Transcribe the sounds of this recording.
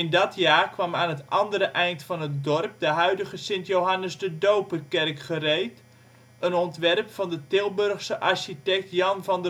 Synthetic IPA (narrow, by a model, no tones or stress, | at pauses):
ɪndɔtjaːkʋɑmaːnɦətʔɑndəɾəʔɛjntfɔnət̚dɔrp̚dəɦœɥdəɣəsɪntjowɦanəsdədowpərkɛrkχərejt | ənɔntʋɛrpfɑndətɪlˠbørχsəʔarʃitɛk̚tjɑnvɔndə